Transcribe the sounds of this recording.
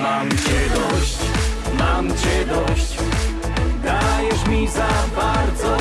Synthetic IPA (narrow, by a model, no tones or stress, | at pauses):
mamt͡ɕɛd̪ɔɕt͡ɕ | mamt͡ɕɛd̪ɔɕt͡ɕ | d̪ajɛʂmʲizabaɾd̪zɔ